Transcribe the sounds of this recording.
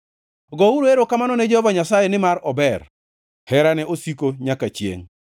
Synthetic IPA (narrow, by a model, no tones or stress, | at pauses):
ɡɔuɾoeɾokamanɔned͡ʒɔbaɲasajenɪmaɾɔbɛr | hɛɾanɛʔosikoɲakat͡ʃjḛŋ